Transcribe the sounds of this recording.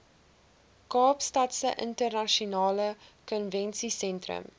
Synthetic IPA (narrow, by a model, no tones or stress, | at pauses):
kɑːpstɐtsə̰ʔə̰ntərnɐʃunɑːləkɔnvɛnsisɛntrə̰m